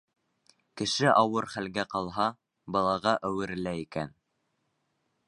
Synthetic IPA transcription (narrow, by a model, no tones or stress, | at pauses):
kɘ̆ʃɘʔɑwɤɾχælɡæqɑlˠɦɑ | bɑlˠɑʁɑʔæwɘ̆ɾɘ̆læikæn